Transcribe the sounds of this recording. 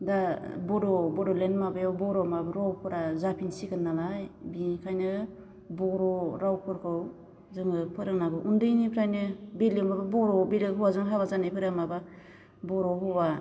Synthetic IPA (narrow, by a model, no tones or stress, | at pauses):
dabɔdɔbɔdɔlenmabɯjawbɔɾɔmabaɾɔwpʰɯɾazapʰinsikɯnːalajbikʰajnɯ | bɔɾɔɾawpʰɯɾkʰɯw | zɯŋɯpʰɯɾɯŋnaɡɯʔundɯjnipʰɾajnɯbelɯmababɔɾɔbelɯɦɯwazɯŋɦabazanɯpʰɯɾamaba | bɔɾɔɦuwa